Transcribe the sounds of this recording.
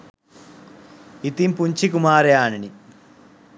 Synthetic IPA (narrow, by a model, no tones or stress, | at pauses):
it̪impuɲt͡ʃʰikumaːɾjaːnini